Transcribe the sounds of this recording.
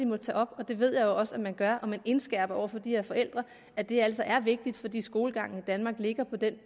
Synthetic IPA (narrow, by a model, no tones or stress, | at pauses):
imɒ̽t͡sʰɛ̰ːɒ̽b̥ɒ̽d̥e̝ʋe̝ð̞̰ˠjɑ̈ɪjoɒ̽səæmænɡ̥ɶɐʔɒ̽mene̝nsɡ̥ɛɐ̰b̥ɐɒ̰ʊ̰ɐfɒ̽d̥iheɐ̰fɒ̽el̰d̥ʁɐ | æd̥e̝æl̰sɒ̽ʔæɐʋe̝ɡ̥̚d̥id̥fɒ̽d̥ḭːsɡ̥o̝ːləɡ̥ɑ̈ŋ̰n̩id̥ænmɑ̈ːɡ̥le̝ɡ̥ɐpʰɒ̽d̥en